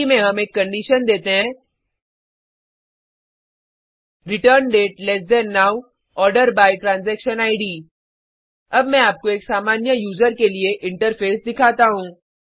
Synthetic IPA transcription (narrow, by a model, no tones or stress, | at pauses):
imẽɦɐmeːkːɐ̃ɳɖiːʃənd̪eːt̪eɦɛ̃ː | ɾɪʈəɾnɖeːʈlɛsd̪ɛ̃ːnːaːw | ɔːɾɖəɾbaːiʈɾãːnzɛːkʃənaːɪɖiː | ɐbmɛ̃aːp̚koeːksaːmaːnjəjuːzəɾkelieʔɪ̃ɳʈəɾfʰeːsd̪ɪkʰaːt̪aɦũː